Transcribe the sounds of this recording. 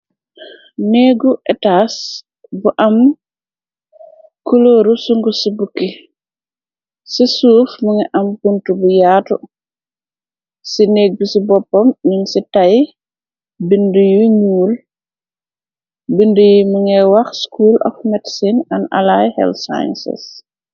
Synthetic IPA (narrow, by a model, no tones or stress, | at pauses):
neːɡuʔɛtas | buʔɐm | kuloːɾusuŋɡusibukːi | sisuːfmuŋɛʔɐmkuntubujatu | sineːɡ̚busibɔpːɔmniŋsitaj | bindujuɲuːl | bindujimuŋɛwɐxskuːlɔ̰fmɛtsinɐna̰lajhɛ̰lsa̰j̰nsḭs